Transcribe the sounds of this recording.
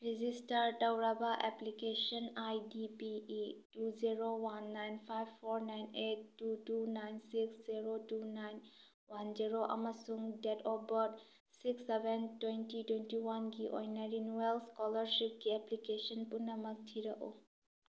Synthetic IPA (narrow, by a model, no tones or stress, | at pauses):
ɾid͡ʒistɐɾtɐwɾabɐʔeplikesɔnajdipiituziɾowanːajnpʰajbpʰːoɾnajnetːutunajnsiksziɾotunajn | wanziɾoʔɐ̰mɐsuŋdetʰɔbɔd | siksebentwentitwentiwanɡiʔo̰jnɐɾinuelskɔlɐɾsip̚ɡieplikesɔnpunːɐmɐk̚tʰiɾɐʔṵ